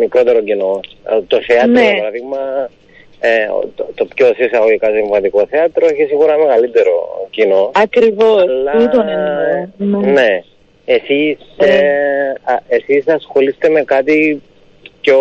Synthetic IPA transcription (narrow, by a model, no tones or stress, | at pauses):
mikɾo̞t̪e̞ɾocino̞t̪oθeɐt̪ɾopɐɾɐðiɣmɐ | ḛot̪opçosisɐɣoʝikɐsiɱvɐt̪iko̞θeɐt̪ɾoeçisiɣuɾɐmeɣɐlit̪e̞ɾo̰cinoɐkɾivolːɐt̪on | ne | esise | ɐesisɐsxo̞list̪e̞me̞kɐt̪i | co